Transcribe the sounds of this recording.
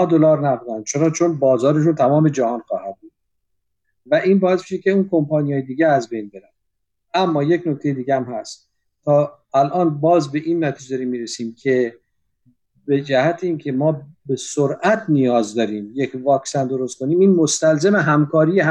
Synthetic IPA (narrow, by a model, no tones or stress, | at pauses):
ɒd̪olɒːɾnæbuːd̪ænd̪̚t͡ʃʰe̞ɾɒːt͡ʃʰo̞nbɒːzɒːɾe̞ʃ̬unt̪ʰæmɒːme̞d͡ʒæhɒːnxɒːhæd̪̚buːd̪̥̚ | væʔiːnbɒːesmiʃecʰʲe̞uːnkʰo̞mpʰɒːnijɒːjed̪iːɡeæzbejnbe̞ɾæn | æmːɒːjecnok̚t̪e̞jed̪iːɡææmhæst̪ | t̪ʰːɒː | ælʔɒːnbɒːzbe̞ʔiːnmæt̪ʰized̪ɒːɾiːmːiːɾesiːmkʲʰe̞ | be̞d͡ʒæhæt̪ʰeiːncʲʰe̞mɒːbe̞soɾʔæt̪ʰnijɒːzd̪ɒːɾiːmje̞cʰvɒːksænd̪o̞ɾost̪̚kʰo̞niːmiːnmost̪ælzemeɦæmkʰɒːɾijeɦ